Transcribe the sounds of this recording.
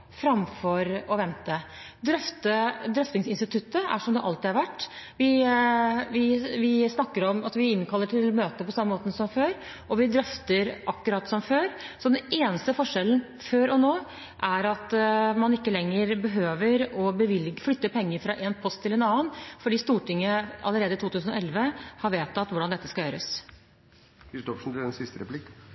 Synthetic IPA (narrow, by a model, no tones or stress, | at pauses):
fɾɑmfɔɾɔʋɛnt̪ə | d̪ɾœft̪əd̪ɾœft̪ɪŋsɪnst̪ɪt̪ʰʉt̪ːəæ̰ʂɔmd̪ɛʔɑlt̪ɪɑɾʋæʈːʋɪ | ʋɪʋɪsnɑkːəɾɔmɑt̪ʋɪɪnkʰɑlːəʈʰɪlmøːt̪əpɔsɑmːəmoːt̪əsɔmføːɾ | ɔʋɪd̪ɾœft̪əɾʔɑkːʉɾɑːt̪sɔmføːɾsɔd̪ɛneːnəst̪əfɔʂɛln | føːɾɔnoː | ʔæɾɑt̪mɑnɪkːəlɛŋːəɾbəɦøːʋəɾɔbəʋɪlɡflʏt̪ːəpʰɛŋːəɾfɾɑʔeːnpʰɔst̪ʰːɪlɛnɑːənfɔɖiːst̪uːʈɪŋːəɑ̰ləɾeːd̪əɪt̪uːt̪ʉːsn̩ɔɛlʋəhɑɾʋeːt̪ʰːɑt̪ʋʊɖɑnd̪ɛt̪ːəskɑljøːɾəs | hɪst̪ɔʂn̩t̪ɪd̪ɛnsɪst̪əɾɛplɪk